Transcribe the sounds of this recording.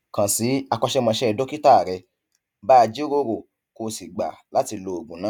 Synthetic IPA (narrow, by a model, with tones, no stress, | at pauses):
kã˨si˨˦a˧kɔ˧ʃɛ˦mã˧ʃɛ˦˧do˦ki˦ta˦˨ɾɛ˧ | ba˦˧d͡ʒi˦ɾo˧˦ɾo˨ | ko˧si˨ɡ͡ba̰˨la˨˦ti˧lo˧˨o˨ɡũ˨nãː˨˦